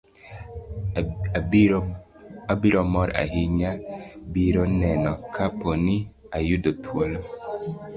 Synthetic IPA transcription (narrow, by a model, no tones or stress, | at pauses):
abiɾɔmɔɾa̰ɦiɲabiɾonɛnɔkʰaponi | ajudotʰwolo